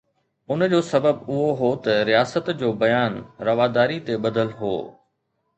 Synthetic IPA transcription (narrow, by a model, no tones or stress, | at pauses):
ʊnd͡ʑoːsɐbəbʊɦoɦot̪ɐɾijaːsət̪d͡ʑoːbɐjaːnɾɐʋaːd̪aːɾit̪eɓɐd̪əlɦo̰ː